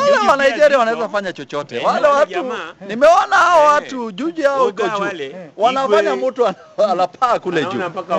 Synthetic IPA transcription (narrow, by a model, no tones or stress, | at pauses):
walɛmanajd͡ʒɛɾiawanawɛzafaɲat͡ʃɔt͡ʃɔtɛ̰walɛwatunimɛɔnahaɔwatuʄud͡ʒiaɔhukɔd͡ʒuːwanaɔfaɲamutuan | alapʰaːkulɛd͡ʒṵ